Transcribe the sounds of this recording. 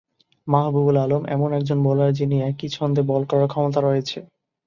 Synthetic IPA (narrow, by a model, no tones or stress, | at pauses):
maɦbubulalomɛ̰monɛk̚d͡ʑonbɔlaɾd͡ʑiniɛkit͡ɕʰɔnd̪ebɔlkɔɾaɾkʰɔmot̪̬aɾojet͡ɕʰe